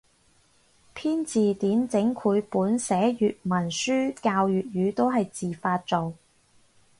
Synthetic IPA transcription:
pʰiː˥nt͡siː˨t̪iː˨˥nt͡sɪ˨˥ŋkʰuː˨˧jpuː˨˥nsɛː˨˥jyː˨t̚mɐ˨˩nsyː˥kaː˧wjyː˨t̚ɥyː˨˧t̪o˥wɦɐ˨jt͡siː˨faː˧t̚t͡so˨w

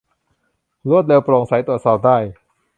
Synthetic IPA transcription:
lu˥˩ət̪̚leː˧wpɾoː˨˩ŋsa˩˦jt̪u˨˩ət̪sɔː˨˩p̚daː˥˩j

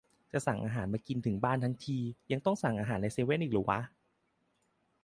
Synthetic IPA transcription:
t͡ɕa˨˩ʔsa˨˩ŋʔaː˧ɦaː˩˦nmaː˧ki˧nt̪ʰɯ˩˦ŋbaː˥˩nt̪ʰa˦˥ŋt̪ʰiː˧ja˧ŋt̪ɔ˥˩ŋsa˨˩ŋʔaː˧ɦaː˩˦nːa˧jseː˧we˥˩nʔiː˨˩lɯː˩˦wa̰˦˥

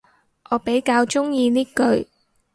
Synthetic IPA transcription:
ʔɔː˨˧pe˨˥jkaː˧wt͡ʃʊ˥ŋjiː˧niː˥kɵ˧ɥ

